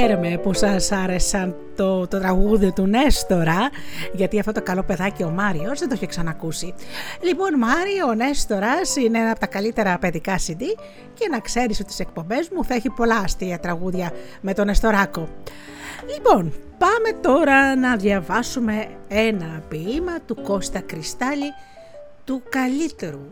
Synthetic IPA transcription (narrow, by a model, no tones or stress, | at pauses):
eɾeme̞pusɐsɐɾe̞sɐn | t̪ot̪ot̪ɾɐɣuðio̞t̪une̞st̪o̞ɾɐʝɐt̪iɐft̪o̞t̪okɐlo̞pe̞ðɐcio̞mɐɾio̞zðend̪oçeksɐnɐːkusilipo̞nmɐɾione̞st̪o̞ɾɐsineenɐpot̪ɐkɐlit̪e̞ɾɐpeðikɐsind̪i | ce̞nɐkse̞ɾisot̪i̥se̞k̚po̞mbe̞zmuθɐeçipo̞lɐːst̪iɐt̪ɾɐɣuðʝɐ | me̞t̪o̞ne̞st̪o̞ɾɐko̞ | lipo̞npɐme̞t̪o̞ɾɐnɐðʝɐvɐsume̞enɐpiimɐt̪uko̞st̪ɐkɾist̪ɐli | t̪ukɐlit̪e̞ɾu